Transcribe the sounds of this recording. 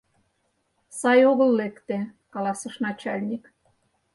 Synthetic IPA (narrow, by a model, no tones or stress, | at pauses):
sɑjoɣə̆lːekt̪ekɑlˠɑsə̆ʃnɑt͡ɕɑlʲnʲik